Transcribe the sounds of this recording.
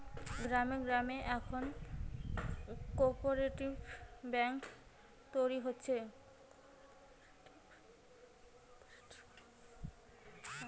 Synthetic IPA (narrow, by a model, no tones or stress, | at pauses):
ɡɾameɡɾameʔɛkʰon | kɔɾpoɾeʈibbɛŋk | t̪ojɾiɦotːɕʰe